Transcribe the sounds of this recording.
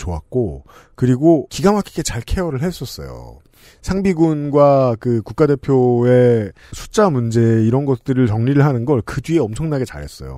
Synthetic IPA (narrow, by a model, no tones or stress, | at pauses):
t͡ɕoa̰k͈o | kɯɾiɡokiɡamakʰiɡe̞t͡ɕaɭkʰe̞ʌɾɯɭɦes͈ʌs͈ʌ̰jo̰ | sʰaŋbiɡunɡwakɯkuk͈ade̞pʰjoe̞ | sʰu̥t͡ɕ͈amund͡ʑe̞iɾʌnɡʌt͈ɯɾɯɭt͡ɕʌŋɲiɾɯɭɦanɯnɡʌɭkɯdɥieʌmt͡ɕʰʌŋnaɡe̞t͡ɕa̰ɾɦe̞̰s͈ʌ̰jo̰